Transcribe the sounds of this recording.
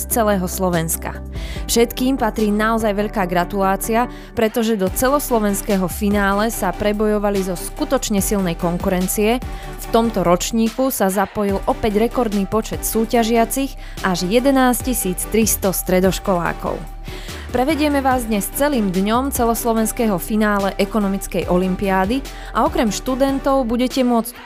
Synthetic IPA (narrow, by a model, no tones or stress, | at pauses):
st͡sɛlɛːɦɔslɔʋɛnska̰ | fʃɛt̪kiːmpat̪ɾiːnaɔzajʋɛʎkaːɡɾat̪ulaːt͡sia | pɾɛt̪ɔʒɛd̪ɔt͡sɛlɔslɔʋɛnskɛːɦɔfinaːlɛsapɾɛbɔjɔʋalizɔskut̪ɔt͡ʃɲɛsilnɛjkɔŋkuɾɛnt͡siɛ | ft̪ɔmt̪ɔɾɔt͡ʃɲiːkusazapɔjilʔɔpɛɟɾɛkɔɾd̪niːpɔt͡ʃɛt̪suːcaʒɪat͡siɣ | ʔaʒjɛd̪ɛnaːscisiːt͡st̪ɾist̪ɔst̪ɾɛd̪ɔʃkɔla̰ːkɔ̰ʊ | pɾɛʋɛɟɪɛmɛʋaːzd̪ɲɛst͡sɛliːmd̪ɲɔmt͡sɛlɔslɔʋɛnskɛɦɔfinaːlɛʔɛkɔnɔmit͡skɛjʔɔlimpiaːd̪i | ʔaɔkɾɛmʃt̪ud̪ɛnt̪ɔʊbuɟɛcɛmʊɔt͡sc